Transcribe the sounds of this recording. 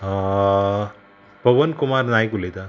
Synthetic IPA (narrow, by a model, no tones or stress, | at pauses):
ã | pəʋənkumaɾnajkulet̪a